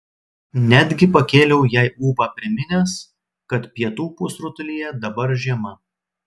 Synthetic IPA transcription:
nʲæd̪ʲɡʲɪpɐkʲeːlʲɛʊjɛɪuːpɑːpʲɾʲɪmʲɪnʲes | kɐt̪pʲɛt̪uːpʊsɾʊt̪ʊlʲijɛd̪ɐbɐɾʒʲiɛmɐ

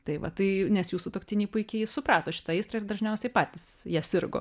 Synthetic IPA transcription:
t̪ɐɪʋɐt̪ɐɪnʲɛsjuːsuːt̪oːkt̪ʲɪnʲɛɪpʊɪkʲɛɪjsʊpɾɑːt̪oːʃʲɪ̥t̪ɐɛɪst̪ɾɐɪrd̪ɐʒʲnʲɛʊsʲɛɪpɑːt̪ʲisjæːsʲɪɾɡo̰ː

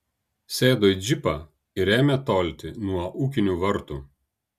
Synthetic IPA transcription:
sʲeːd̪oːɪd͡ʒʲɪpɐ | ɪɾʲeːmʲɛt̪oːlʲt̪ʲɪnuɔʔuːkʲɪnʲuʋɐɾt̪u

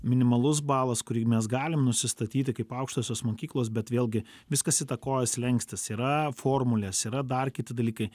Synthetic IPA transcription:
mʲɪnʲɪmɐlˠʊs̬bɑːlˠɐskʊɾʲiːmʲɛs̬ɡɑːlʲɪmnʊsʲɪst̪ɐt̪ʲiːt̪ʲɪkɐɪpɐʊkʃt̪oːsʲoːsmoːkʲiːklˠoːs̬bʲɛt̪ʋʲeːlʲˠɡʲɪ | ʋʲɪskɐsit̪ɐkoːjɛslʲɛŋksʲt̪ʲɪsiːɾɐfoːrmʊlʲɛːsiːɾɐd̪ɐrkʲɪt̪ʲɪd̪ɐlʲiːkɐɪ

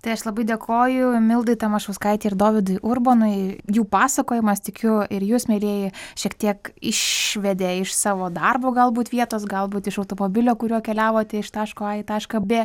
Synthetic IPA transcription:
t̪ɐɪɐʃlˠɐbɐɪd̪ʲeːkʰoːjʊmʲɪlˠd̪ɐɪt̪ɐmɐʃɐʊskɐɪt̪ʲeːɪɾd̪oːʋʲɪd̪ʊɪʔʊrboːnʊɪjuːpɑːsɐkoːjɪmɐst̪ʲɪkʲʊɪɾjuːsmʲeːlʲeːjɪʃʲiɛkt̪ʲiɛkɪʃʋʲɛd̪ʲeːɪʃsɑːʋoːd̪ɐrboːɡɐlˠbuːt̪ʋʲiɛt̪oːsɡɐlˠbuːt̪ɪʃɐʊt̪oːmoːbʲɪlʲoːkʊɾʲuɔkʲɛlʲæːʋoːt̪ʲɛɪʃt̪ɑːʃkoːɑːit̪ɑːʃkɐbʲɛ

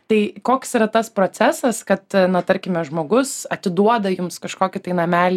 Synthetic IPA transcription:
t̪ɐɪkoːksiːɾɐt̪ɐspɾoːt͡s̪ʲæsɐskɐt̪nɐt̪ɐɾʲkʲɪmʲɛʒmoːɡʊsɐt̪ʲɪd̪uɔd̪ɐjʊmskɐʃkoːkʲɪt̪ɐɪnɐmʲæːlʲ

